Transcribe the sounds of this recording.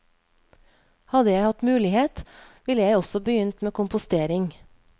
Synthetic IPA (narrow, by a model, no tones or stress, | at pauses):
hɑd̪əjæɪhɑt̪mʉːlɪheːt̪ʋɪləjæɪɔsɔbəjʏnt̪meːkʊmpʊst̪eːɾɪŋ